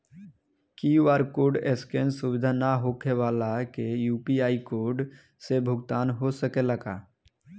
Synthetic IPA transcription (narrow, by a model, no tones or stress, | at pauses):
kiʋaːɾkoːɾɖeskẽnsubɪd̪ʱanaɦokʰeʋaːlakejuːpiaːikoːɾɖ | sebʱʊɡt̪aːnɦosəkeləɡa